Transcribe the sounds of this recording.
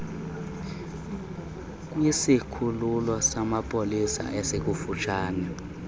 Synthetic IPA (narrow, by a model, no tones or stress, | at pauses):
k̬ʼujisikʰululwasamapʼolisa̰ʔɛsek̬ʼufut͡ʃʰaːnɛ